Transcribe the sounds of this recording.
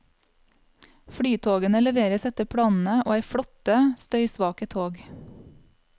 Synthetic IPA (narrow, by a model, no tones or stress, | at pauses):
fɽyːt̪ʰoːɡənəlɛʋeːɾəsɛt̪əpʰɽɑːnn̩əʔo̰ːæɪfɽɔt̪əst̪œʏsʋɑːkət̪ʰoːɡ